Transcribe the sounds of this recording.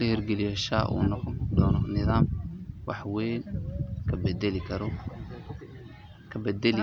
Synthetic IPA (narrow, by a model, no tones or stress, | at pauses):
lɐhirɡɛlɪjaːʃa̰ːʔṵːnɔqɔnd̪ɔːnɔnɪðaːmwɑ̰ħwɛːnkʰɐbɛd̪ɛlɪkʰɐɾɔ | kʰɐbɛd̪ɛlɪ